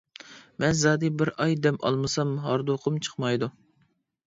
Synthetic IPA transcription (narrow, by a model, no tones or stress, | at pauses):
mɛnzɑːd̪ibɪɾɑjd̪ɛmɑ̰lˠmɨsɑmɦɑɾd̪oqʰəmt͡ʃʰə̥χmɑjd̪u